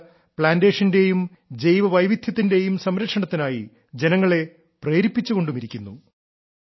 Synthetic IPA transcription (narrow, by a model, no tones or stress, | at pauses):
pɭaːnde̞ːʂɐnde̞jum | d͡ʑe̞jʋɐʋɐjʋid̪ʱjɐt̪̬ːinde̞jumsɐmɾɐkʂɐɳɐt̪ːinaːjḭ | d͡ʑe̞nɐŋːɐɭe̞ | pre̞ːɾipːit͡ɕːuɣo̞ɳɖumiɾikʲːunːṵ